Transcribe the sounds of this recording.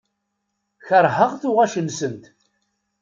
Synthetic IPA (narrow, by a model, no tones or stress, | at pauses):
çəɾˤhəʁθʊʁæʃənsənt̪